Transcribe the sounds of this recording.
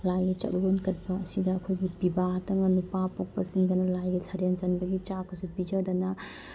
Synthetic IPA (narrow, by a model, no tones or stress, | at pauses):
lajɡit͡ʃɐ̰k̚lonkɐt̚bɐɐsidɐːkʰojɡipibatɐŋɐnupapɔpːɐsiŋɡɐnɐlajɡisʰaɾent͡ʃɐnbɐɡit͡ʃakːɐsupid͡ʒadɐnɐ